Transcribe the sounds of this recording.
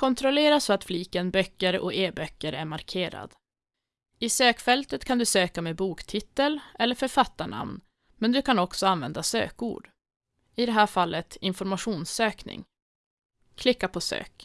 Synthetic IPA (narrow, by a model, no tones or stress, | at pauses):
kʰɔnt̪ʰɾɔleːɾasfɔat̪fliːkənbœkːəɾɔ̰eːbœkːəɾʔæɾmaɾkʰeːɾa̰d̪ | ɪsøːkfɛlt̪ət̪kʰand̪ɵsøːkameːbuːkt̪ʰɪt̪ːəlɛlːəɾfœɾfat̪ːaɳa̰mn | mɛnd̪ɵkʰanɔksɔanvɛ̰nd̪asø̰ːkṵːɖ̥ | ɪd̪ɛɦæːɾfalːət̪ɪnfɔɾmaɧuːnsøːknɪ̰ŋ | kʰlɪkːapʰɔsø̰ːk